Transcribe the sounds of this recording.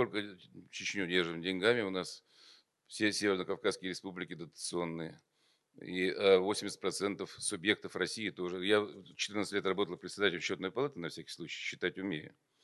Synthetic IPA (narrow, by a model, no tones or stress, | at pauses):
t̪o̞lʲkət͡ɕɪt͡ɕnʲudʲerʐɨmdʲɪnʲɡamʲɪʊnas | sʲesʲevʲɪrnəkɐfkaskʲɪjəɾʲɪspublʲɪkʲɪd̪ət̪ə̥t̪sɨo̞nːɨjə | iəvo̞sʲɪmʲɪsʲɪ̥t̚ʲpɾɐt̪sɛnt̪əfsʊbʲje̞k̚t̪əfrɐsʲijɪt̪o̞ʐɨjat͡ɕɪ̥t̪ɨrnt̪stʲlʲet̪rɐbo̞t̪əlˠpɾʲɪt̪sʲɪd̪atʲɪlʲɪmɕːo̞t̪nəjpɐlˠat̪ɨnɐfsʲækʲɪ̥xsˠut͡ɕɪ̥jɕːɪ̥t̪atʲʊmʲiɾʲɪ̰